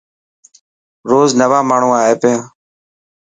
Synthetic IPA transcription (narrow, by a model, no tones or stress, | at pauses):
ɾoːznəʋaːmaːɳ̤ũːaːɦeːpejãː